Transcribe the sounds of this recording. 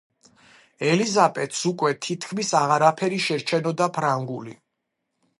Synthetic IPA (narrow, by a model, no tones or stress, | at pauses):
ɛlizapʼɛt̪ʰsukʼwɛt̪ʰit̪ʰkʰmisaʁaɾapʰɛɾiʃɛɾt͡ʃʰɛnɔd̪apʰɾaŋɡuli